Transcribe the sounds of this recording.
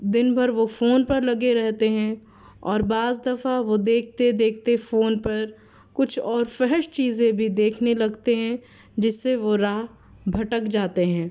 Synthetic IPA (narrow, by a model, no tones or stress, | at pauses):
d̪ɪnbʱɐɾʋofoːnpɐɾlɐɡeɾɛɦt̪eɦɛ̃ | ɔːɾbaːzd̪ɐfaʋod̪eːkʰt̪ed̪eːkʰt̪efoːnpɐɾ | kʊt͡ʃʰɔːɾfɛɦəʃt͡ʃiːzẽbʱid̪eːkʰnelɐɡt̪eɦɛ̃ | d͡ʒɪsːeʋoɾaːɦ | bʱɐʈəkd͡ʒaːt̪eɦɛ̃ː